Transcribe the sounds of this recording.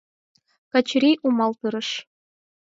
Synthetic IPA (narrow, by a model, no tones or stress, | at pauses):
kɑt͡ɕɾʲiʔumɑlˠt̪ɯɾɤ̆ʂ